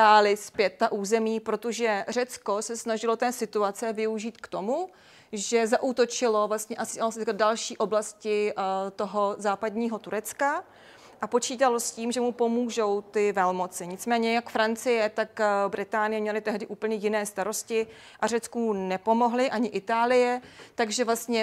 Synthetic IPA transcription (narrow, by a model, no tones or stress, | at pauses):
aːlɪspjɛt̪ːaʔuːzɛmiːpɾo̞t̪oʒɛr̝ɛt͡sko̞sɛsnaʒɪlo̞t̪ɛːsɪt̪uat͡sɛvɪuʒiːt̪kt̪o̞mu | ʒɛzaʔuːt̪o̞t͡ʃɪlovlast̪ɲɛʔasɪaosɪkadalʃiːʔo̞blascɪt̪oɦo̞zaːpadɲiːɦo̞t̪uɾɛt͡ska | ʔapo̞t͡ʃiːt̪alo̞sciːmʒɛmupo̞muːʒo̞wt̪ɪvɛlmot͡sɪɲɪt͡smɛːɲɛjakfɾant͡sɪjɛt̪akbɾɪt̪aːnɪjɛmɲɛlɪt̪ɛɦdɪʔuːpl̩ɲɛjɪnɛːst̪aɾo̞scɪ | ʔarɛt͡skuːnɛpo̞mo̞ɦlɪʔaɲɪʔɪt̪aːlɪjɛt̪aɡʒɛvlast̪ɲɛ